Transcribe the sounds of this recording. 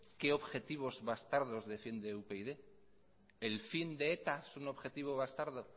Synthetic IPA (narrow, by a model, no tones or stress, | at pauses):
ke̞o̞βxe̞t̪iβ̞o̞zβast̪aɾðo̞zðe̞find̪eupe̞iðe̞ | elfind̪e̞et̪asunoβxe̞t̪iβ̞o̞βast̪aɾðo̞